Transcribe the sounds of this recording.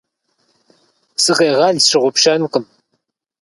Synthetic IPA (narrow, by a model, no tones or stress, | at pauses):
sɨqeːʁɑɮʃɨʁʷʊpʃaːnuːqʼɨm